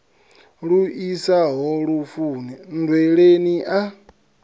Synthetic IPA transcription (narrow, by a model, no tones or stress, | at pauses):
ɺuisaɦɔɺufuːnɛndwɛɺeniʔa